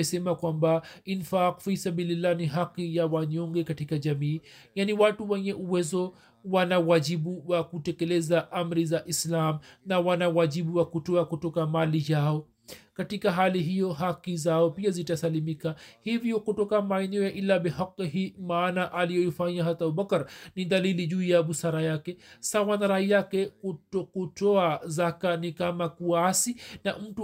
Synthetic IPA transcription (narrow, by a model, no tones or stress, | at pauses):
ɛsɛmakwambainfaqfisabililːaniɦaqːijawaɲɔŋɡɛkatikaʄamiː | janiwatuwɛɲɛʔuwɛzɔ | wanawaʄiɓuwakutɛkɛlɛzaʔam̩ɾizaʔislamnawanawaʄiɓuwakutɔakutɔkamalijaɔ | katikaɦaliɦijɔɦakizaɔpiazitasalimikahivjɔkutɔkamaɛnɛɔjaʔilaɓɛɦaqːɦimaːnaʔalijɔjifaɲaɦatauɓakɾniðaliliʄuːjaɓusaɾajakɛsawanaɾahijakɛkuɔkutɔazakanikamakuasinam̩tu